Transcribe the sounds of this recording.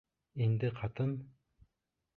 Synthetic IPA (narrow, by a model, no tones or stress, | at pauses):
ind̪ɘqʰɑt̪ɤm